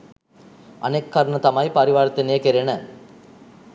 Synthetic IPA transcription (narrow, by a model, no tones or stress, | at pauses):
ɐ̰nekʰːɐɾɳɐt̪ɐmaːjpɐɾiʋaːɾɐt̪ːɐneːkeɾenɐ